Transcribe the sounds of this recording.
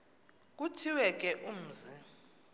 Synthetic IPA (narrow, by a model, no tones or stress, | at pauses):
k̬ʼutʰiwɛk̬ʼɛʔum̩ːzi